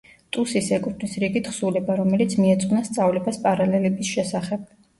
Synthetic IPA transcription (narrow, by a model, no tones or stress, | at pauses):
t̪ʼusisɛkʼut̪ʰnisɾiɡit̪ʰχsulɛbaɾɔmɛlit̪sʰmiɛt̪sʼqʼnast̪sʼavlɛbaspʼaɾalɛlɛbisʃɛsaχɛb̥̚